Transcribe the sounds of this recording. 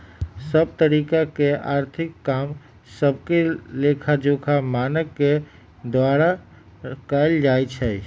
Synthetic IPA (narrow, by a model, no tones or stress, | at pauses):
səb̚t̪əɾikakeʔaɾt̪ʰɪkːam | səbkelekʰad͡ʒokʰamanəkːe | d̪waɾa | kəjld͡ʒajt͡ʃʰɛ